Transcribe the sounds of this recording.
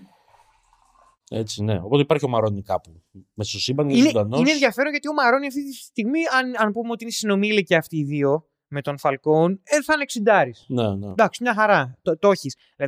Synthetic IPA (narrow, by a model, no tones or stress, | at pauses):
e̞̰t͡sine̞̰o̞pt̪eipɐɾçio̞mɐɾo̞nikɐpu | mesosibɐŋineðɐnoineːnðʝɐfe̞ɾonʝɐt̪io̞mɐɾo̞niɐft̪it̪isst̪iɣmiɐnɐnpumeot̪inesino̞miliceɐft̪iːðio̞ | me̞t̪o̞nfɐlko̞neθɐne̞ksind̪ɐɾisnened̪ɐksimɲɐxɐɾɐt̪ot̪o̞çis | lɐ